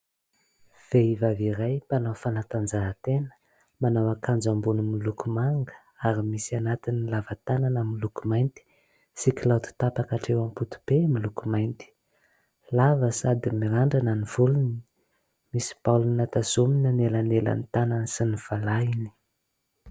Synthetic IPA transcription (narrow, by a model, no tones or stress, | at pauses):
v̥eivaviɾajpanawfanat̪and͡zaːt̪enə̥ | manawakʰand͡zambunumilukumaŋɡə̥ | aɾimisianat̪inilavat̪ananəmilukumajnt̪i̥ | sikʲilawt̪u̥t̪apakaʈ͡ʂewamput̪u̥b̥emilukumajnt̪i̥ | lavəsad̪imiɾaɳɖ͡ʐananivuluni | misi̥palunat̪azuminənelanela̰nt̪anansiniv̥alaini̥